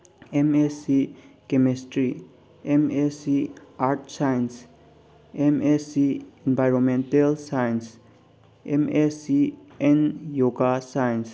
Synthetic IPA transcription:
emesikemisʈɾi | emesiaɾʈsajns | emesiĩnbʱajɾonmẽnʈelsajns | emesienjoɡasajns

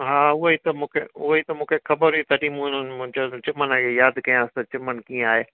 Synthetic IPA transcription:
ɦaːʊɦoiːt̪ɐmũːkʰeʊɦoit̪ɐmũːkʰexɐbəɾit̪ɐɗimũːɪn̤ənɪ̆mʊ̃ɦɪ̃ɲd͡ʑot͡ɕɪmənəkejaːd̪kɐjãːsɪ̥t̪ɐt͡ɕɪməñkĩːẽaːɦeː

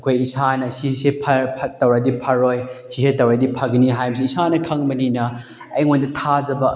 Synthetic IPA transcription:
kʰojisanɐsisepʰɐpʰɐtɐwɾadipʰɐɾojsisetɐwɾɐdipʰɐɡniɦajbs̬eisanɐkʰɐŋbɐninɐː | jŋondɐtʰazɐbɐ

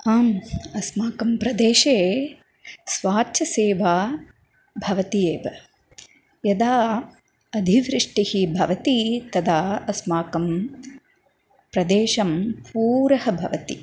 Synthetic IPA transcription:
aːmɐsmaːkɐmpɾɐd̪eːʃeː | sʋaːt͡ʃʰɐseːʋaː | bʱɐʋɐt̪ijeːb | jɐd̪aː | ɐd̪ʱiʋɾɪʂʈihibʱɐʋɐt̪it̪ɐd̪aːɐsmaːkɐm | pɾɐd̪eːʃɐmpuːɾɐɦɐbʱɐʋɐt̪ḭ

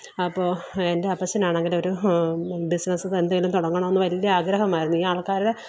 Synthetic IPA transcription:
ɐpːo̞ːende̞ɐbɐɕɐnaːɳeŋɡileo̞ɾu | ɖisnɐsɐðe̞nd̪ɐŋɡilumt̪uɽɐŋːɐɳoonːɨʋɐlijɐaːɡɾɐɦɐmaːjiɾunːuiːaːɭkaːɾɐðe

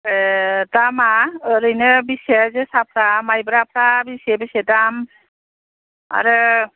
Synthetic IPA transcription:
tamaɾɯjnɯbisazesapʰɾamajbɾapʰɾabisebisetam | a̰ɾɯ

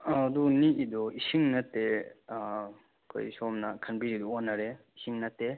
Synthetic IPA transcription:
aduniʔidɔisiŋnate | kʰo̰jsɔmnakʰanbiɾidɔɔnaɾeisiŋnate

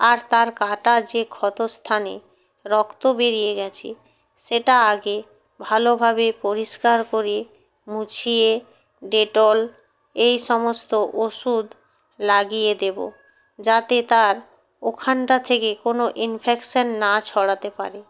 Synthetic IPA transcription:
aɾt̪aɾkaʈad͡ʑekʰɔt̪ost̪ʰanḛ | ɾɔkt̪obeɾijeɡɛt͡ɕʰḛ | ʃeʈaaɡe | bʱalobʱabepoɾiʃkaɾkoɾe | mũt͡ɕʰie | ɖeʈol | ejʃɔmost̪oʔoʃud̪ | laɡijed̪ebo̰ | d͡ʑat̪et̪aɾ | okʰanʈat̪ʰekekonoʔinfʰekʃanːat͡ɕʰɔɽat̪epa̰ɾe

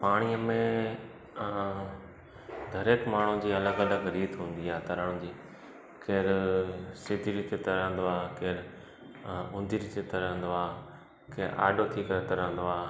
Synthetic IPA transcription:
paːɽ̃iəmẽ | d̪ʱɐɾeːkmaːɳ̤ũd͡ʑiːɐləɡɐləɡɾiːt̪ɦũːn̆d̪iaːt̪ɐɾəɽ̤̃ʊ̃d͡ʑiː | keːɾsɪd̪ʱiɾit̪et̪ɐɾə̃nd̪oaːkeːɾ | ʊ̃nd̪iɾit̪et̪ɐɾə̃nd̪oaː | keːɾʔa̰ːɖot̪ʰikɐɾet̪ɐɾə̃nd̪oaː

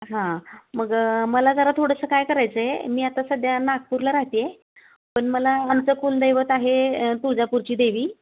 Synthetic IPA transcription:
ɦãməɡməlad͡zəɾat̪ʰoɽəsəːkajkəɾajt͡səjḛmiːat̪asəd̪janak̚puɾləɾaɦt̪iːje | pəɳməlaːmt͡səkuld̪əjʋət̪aɦet̪ud͡zapuɾt͡ɕiːd̪eʋiː

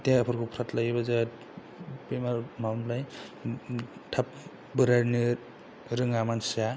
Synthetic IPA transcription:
teaapʰɯɾkʰupʰɾatlajbaza | pemaɾmawmlaj | tʰap̚ | bɯɾaɾni | ɾɯŋamansa

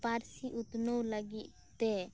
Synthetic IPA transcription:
paɾsiʔʊt̪nowləɡi | t̪e

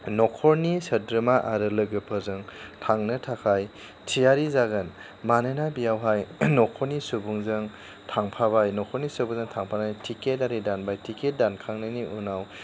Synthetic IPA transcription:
nɔkʰɔɾnisɐdɾɯmaʔaɾɯlɯɡɯpʰəzɯŋtʰaŋnɯtʰakʰaj | tʰijaɾizaɡan | manajnabijawɦajnɔkʰɔɾnisubuŋzɯŋ | tʰaŋpʰaβajnɔkʰɔɾnisɯbuŋzɯŋtʰaŋpʰananitʰiketaɾidanbajtʰiket̚dankʰaŋnɯniʔunaw

